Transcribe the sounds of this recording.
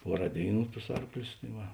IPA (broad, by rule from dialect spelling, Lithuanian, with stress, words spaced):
ˈpuɔˌrɑː ˈdʲeːɪˌnuː tʊs ˈɐrklʲʊs tɐɪ ˈʋɐ